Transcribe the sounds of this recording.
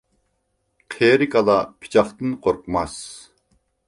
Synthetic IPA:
qʰeɾɪkʰɑlˠɑpʰɪ̥t͡ʃʰɑχt̪ɨnqʰoɾqəmɑs

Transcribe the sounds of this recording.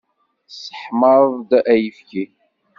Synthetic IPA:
sə̥ħməɾˤðˤd̪ʔæjəfki

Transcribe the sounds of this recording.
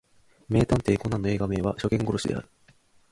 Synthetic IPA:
me̞ːt̪ãnt̪eikonːanːoeːɡame̞ːβaɕo̞kẽ̞ŋɡo̞ɾoɕid̪e̞̰a̰ɾɯ̟

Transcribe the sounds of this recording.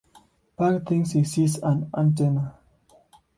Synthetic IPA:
pakt̪ĩŋsisisãnã̰nt̬ena

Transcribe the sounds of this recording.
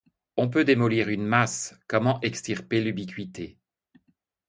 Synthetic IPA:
ɔ̃p̬ød̪emɔliʁynmaskɔmɑ̃ʔɛkst̪iʁpelybikʲɥit̪e

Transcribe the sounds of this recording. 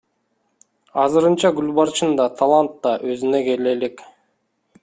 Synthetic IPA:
ɑzɯɾɯnt͡ʃɑɡylʲbɑɾt͡ʃɯnd̪ɑt̪ʰalˠant̪ːɑʔøzineɡe̞lelek

